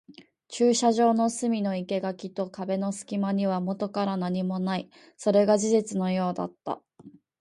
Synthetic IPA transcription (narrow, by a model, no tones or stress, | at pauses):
t͡ɕɨːɕaʑo̞ːno̞sɨmʲino̞ike̞ɡakʲit̪o̞kabe̞no̞sɨ̥kʲimaɲ̟iβ̞amo̞t̪o̞kaɾanaɲ̟imo̞nai | so̞ɾe̞ɡaʑizet͡sɨno̞jo̞ːd̪a̰t̪ːa̰